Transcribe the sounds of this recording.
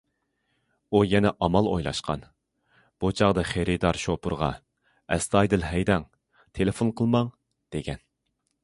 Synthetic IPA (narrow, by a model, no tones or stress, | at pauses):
ujɛnɛʔɑmɑlˠojlˠɑ̰ʃqɑ̰n | b̥ut͡ʃʰɑʁd̪ɨχeɾɨd̪ɑɾʃopʰʊɾʁɑ̰ | ɛst̪ʰɑjd̪ɨlɦɛjd̪ɛŋ | t̪ʰelɪfonqʰəlˠmɑŋ | d̪̥eɡʲɛn